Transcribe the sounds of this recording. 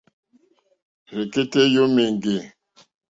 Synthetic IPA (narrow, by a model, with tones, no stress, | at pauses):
ɾe˨ke˦te˦jo˦me˨ŋɡe˨